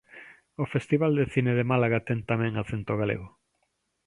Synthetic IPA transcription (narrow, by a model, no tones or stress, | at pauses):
ofest̪iβald̪eθineðemalaɣat̪ɛnt̪amɛ̃ŋaθent̪oɣ̞alḛɣʊ